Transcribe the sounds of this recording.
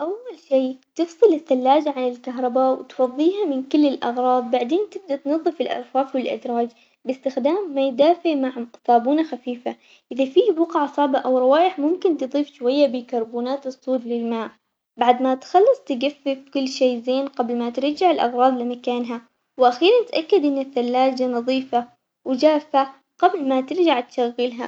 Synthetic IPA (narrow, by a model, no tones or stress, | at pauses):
ʔawːalʃiːt̪ɨfsˤɨlɪθːalːaːd͡ʒʕanɪlkaɦɾˤɑbaːʔwɪt̪fɑðˤːiːɦamɪnkʊlːɪlʔɑ̰ɣɾˤɑːðˤbaʕd̪eːnt̪ɪb̚d̪at̪nɨðˤːɨfɪlʔɑ̰ɾˤfaːfwɪlʔɪ̰d̪ɾˤɑːd͡ʒ | bɪst̪ɪxd̪aːmːajd̪aːfɪʕmaʕsaːbuːnaxafiːfa | ʔɪðafiːbwɑqʕsˤɑʕbaʔawɾˤɑwaːjɪħmʊmkɪnt̪ɨðˤiːfʃwajːabɪkɑɾˤbuːnaːt̪ɨsˤːuːd̪lɪlmaːʔ | baʕd̪mat̪xɑlːɑsˤt̪ɪɡafːɪfkʊlːʃeːzeːnqablmat̪ɪɾd͡ʒaʕɪlʔɑɣɾˤɑːd̪ˤlɪmakaːnɦa | wʔaxiːɾˤant̪ʔakːad̪ʔɪnːaθːalːaːd͡ʒanɑðˤiːfa | wɪd͡ʒaːfa | qablmat̪ɪɾd͡ʒaʕt̪ʃaɣːɪlɦa̰